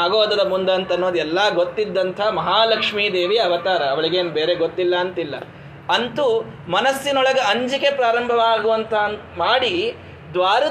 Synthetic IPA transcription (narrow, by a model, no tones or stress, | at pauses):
aːɡoːd̪ɐd̪ɐmund̪ɐːnt̪ɐnːoːd̪ɛlːɐɡot̪ːid̪ːɐnt̪ʰɐmɐɦaːlɐkʂmiːd̪e̞ːʋiɐʋɐt̪aːɾɐːʋɐɭiɡeːnbe̞ːɾeɡot̪ːilːɐːnt̪ilːɐ̰ | ɐnt̪u | mɐnɐsːinɔɭɐɡɐɐɲd͡ʒike̞pɾaːɾɐmbʱɐʋaːɡuʋɐnt̪ʰɐn | maːɽi | d̪ʋaːɾɐ